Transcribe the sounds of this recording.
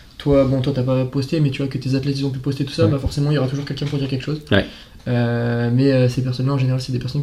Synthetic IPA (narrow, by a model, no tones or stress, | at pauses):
t̪wabɔ̃t̪wat̪yapapɔst̪emɛt̪yvwakət̪ezat̪lɛt̪izɔ̃p̬ypɔst̪et̪u̥sabafɔʁsemɑ̃iljɔʁat̪uʒuʁkʲɛlkɛ̃puʁd̪iʁkʲɛlkəʃozw̰ | ømɛøsepɛʁsɔnlaɑ̃ʒeneʁalsɛd̪epɛʁsɔn